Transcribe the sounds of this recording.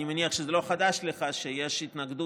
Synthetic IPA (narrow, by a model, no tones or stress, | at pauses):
nimeniaχʃezelo̞χad̪aʃleχaʃejeʃit̪naɡd̪u